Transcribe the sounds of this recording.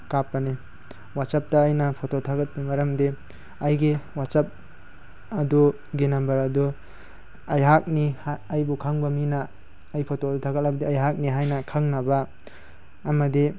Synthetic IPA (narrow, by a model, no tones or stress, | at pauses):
kapːane | wat͡ʃap̚taːjnapʰototʰaɡɐt̚pimaɾɐmde | ajɡewat͡ʃap̚ | ɐdu | ɡenambɐɾadu | ajɦak̚nihːjbukʰaŋbaminaː | jpʰotodutʰaɡat̚abɐdiajɦak̚niɦajnɐkʰaŋnabaː | mɐdi